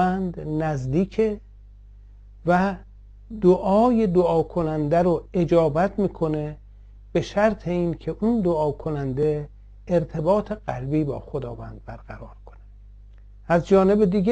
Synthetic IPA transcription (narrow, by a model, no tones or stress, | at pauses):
ænd̪næzd̪iːkʰe | væ | d̪oʔɒːje̞d̪oɒːkʰo̞nænd̪æɾoe̞d͡ʒɒːbæt̪ʰmiːkʰo̞ne̞ | b̥e̞ʃæɾt̪ʰe̞iːnkʰe̞ʔund̪oɒːkʰo̞nænd̪eː | ɾt̪ʰe̞bɒːt̪ʰe̞ɣælbiːbɒ̰ːxod̪ɒ̰ːvæːnd̪̥̚bæɾɣ̥æɾɒːɾkʰo̥ne | æzd͡ʒɒːne̞bed̪iːɡe